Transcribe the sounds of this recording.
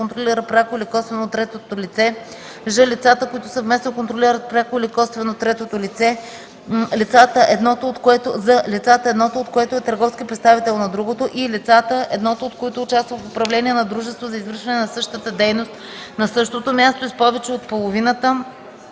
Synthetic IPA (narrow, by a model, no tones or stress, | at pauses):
kont̪ɾoliɾət̪pɾʲakoilikɔst̪vɛnot̪ːɾɛt̪ot̪olit̪sɛ | ʒəlit̪sat̪əkoit̪ʊsɐvmɛsnokont̪ɾoliɾət̪̚pɾʲjakoilikɔst̪vɛnot̪ːɾɛt̪ot̪olit̪sɛ | lit̪sat̪əʔɛd̪nɔt̪oːt̪koɛt̪ozɐlit̪sat̪əɛːd̪nɔt̪oot̪koɛt̪oɛt̪əɾɡɔfskʲipɾɛt̪st̪avit̪ɛlˠnɐd̪ɾuɡot̪oʔilit̪sat̪əʔɛd̪nɔt̪oot̪koit̪ʊːt͡ʃast̪vəfopɾɐvlɛniɛnɐd̪ɾuʒɛst̪vozɐizvɤɾʃvɐnɛnɐsɤʃt̪ət̪əd̪ɛjnost̪ | nɐsɤʃt̪ot̪omʲjast̪oispɔvɛt͡ʃɛot̪̚polˠovinət̪ə